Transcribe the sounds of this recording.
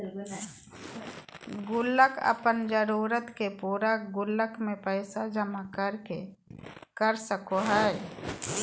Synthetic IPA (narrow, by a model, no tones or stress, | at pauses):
ɡʊlːəkʰə̰pənd͡ʒəɾuːɾət̪kepuːɾaɡʊlːəkmẽpəɪsad͡ʒəmakəɾke | kəɾsəkoɦə